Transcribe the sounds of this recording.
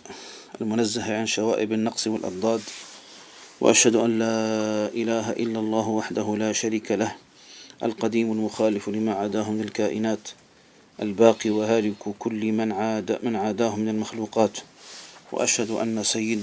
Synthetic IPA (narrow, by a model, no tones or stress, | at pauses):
ʔlmʊnazːahʕanʃawaːʔɪbanːɑqsˤwɪ̰lʔɑ̰b̚ˤd̪ˤɑːd̪ | wa̰ʔaʃhad̪ʊʔanlaːʔɪlaːɦaʔɪlːalˤːɑːhwaħd̪ahʊlaːʃaɾiːkalah | ʔa̰lqɑd̪iːmalmʊxaːlɪflɪmaʕaːd̪aːhʊmɪnalkaːʔɪnaːt̪ | ʔa̰lbaːqiwaɦaːlɪkkʊlːmanʕad̪mɪnʕaːd̪aːhʊmːɪnalmaxluːqɑːt̪ | wa̰ʔa̰ʃhad̪ʊʔa̰nːasajːɪd̪